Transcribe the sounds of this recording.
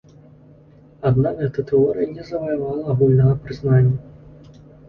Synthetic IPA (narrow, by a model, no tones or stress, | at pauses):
ad̪navɛt̪ɐt̪ɛɔɾɨjɐnʲɛzɐvɐjavalˠɐːɣulʲnɐɣɐpɾɨznanʲːɐ